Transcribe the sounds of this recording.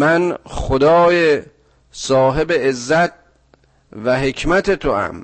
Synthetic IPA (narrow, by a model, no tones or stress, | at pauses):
mænxod̪ɒːje | sɒːɦe̞beːzːæt̪̚ | væɦekʰmæt̪ʰet̪ʰoæ̰m